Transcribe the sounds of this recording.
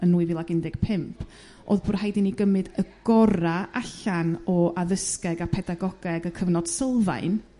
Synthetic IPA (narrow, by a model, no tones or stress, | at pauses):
ənuːɨvilˠaɡɪndɪɡ̥pʰɪmpʰ | ʔo̰ːðb̥ʊrhajdɪniɡəmɨdəɡ̥ɔɾaʔaɬanɔʔaðəskɛɡapʰɛdaɡɔɡɛɡəkʰəvnɔd̥səlˠva̰ɨn